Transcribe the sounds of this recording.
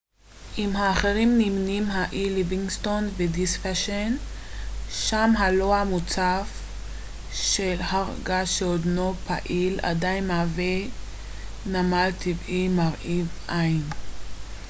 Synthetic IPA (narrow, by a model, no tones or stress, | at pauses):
ʔimɦaːχeʁimnimnimɦaʔiliviŋɡstonvedisfaʃen | ʃamɦaloamut͡saf | ʃelhaʁɡaʃeodnopa̰ʔila̰dajnmaːve | namaltʰivimaʁʔivajn